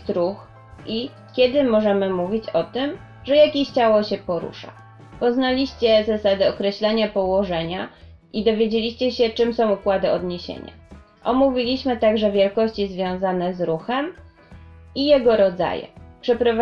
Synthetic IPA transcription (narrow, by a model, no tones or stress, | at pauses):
t̪ɾux | ʔi | kʲɛd̪ɘmɔʐɛmɘmuvʲit͡ɕɔt̪ɘm | ʐɛjakʲeɕt͡ɕawɔɕɛpɔɾṵʂa̰ | pɔznalʲiɕt͡ɕɛzasad̪ɛɔkɾɛɕlɛɲapɔwɔʐɛɲa | ʔid̪ɔvʲjed͡ʑelʲiɕt͡ɕɛɕɛt͡ʂɘmsɔ̃w̃ukwad̪ɘɔd̪ɲeɕḛɲa̰ | ʔɔmuvʲilʲiɕmɘt̪aɡʐɛvʲjɛlkɔɕt͡ɕizvʲjɔ̃w̃zanɛzɾuxɛm | ijɛɡɔɾɔd̪za̰jɛ̰pʂɛpɾɔva